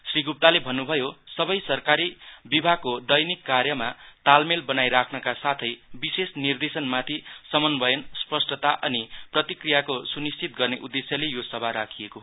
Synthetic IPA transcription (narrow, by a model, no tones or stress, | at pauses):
sriɡup̚t̪alebʱʌnːubʱʌjosʌbʌjsʌrkaɾibibʱaɡ̚kod̪ʌjnikːarjʌmat̪almelbʌnajɾakʰnʌkasat̪ʰʌjbisesnird̪esʌnmat̪ʰisʌmʌnbʱʌjʌnspʌsʈʌt̪aʔʌniprʌt̪ikrijakosunist͡ʃit̪ɡʌrneʔud̪ːesjʌlejosʌbʱaɾakʰijeko